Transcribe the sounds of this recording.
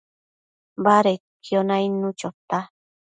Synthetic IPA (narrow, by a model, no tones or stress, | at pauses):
baɾekjonajnut͡ʃot̪a